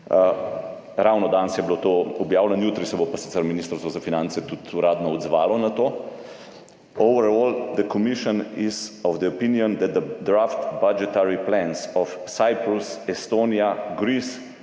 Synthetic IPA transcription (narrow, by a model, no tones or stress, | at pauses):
ɾawnɔd̪ansjɛblot̪oɔbjaːwlɛnjuːt̪ɾisɛbopasi̥t̪ɛɾminiːst̪əɾst̪ʋɔzafinãnt̪sɛt̪ut̪uɾaːd̪nɔɔd̪zʋa̰ːlɔnat̪oː | owʋəɾɔːld̪əkɔmiʃɔnizɔvd̪əɔpinjɔnd̪ɛt̪̚d̪əd̪ɾaft̪bad͡ʒɛt̪aɾiplɛ̃nsɔfsajpɾusɛst̪onijaɡɾis